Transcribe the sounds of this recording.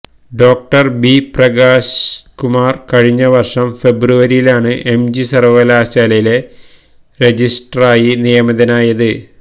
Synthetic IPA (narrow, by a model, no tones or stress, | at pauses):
ɖo̞ːk̚ʈɐrbiprɐɡaːskumaːrkɐɻiɲːɐʋɐrʂɐmfe̞bruʋɐɾijilaːɳɨʔe̞md͡ʑisɐrʋɐlaːɕaːlɐjile̞ | re̞d͡ʑisʈɐraːjinijɐmɐðɐnaːjɐðɨ